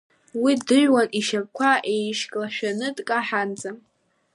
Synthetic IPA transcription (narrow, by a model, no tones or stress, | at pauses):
widɨʒʷᶣwaniʃapkʷʰaʔejʃkʼlaʃᶣanɨtʼkʼaħand͡zam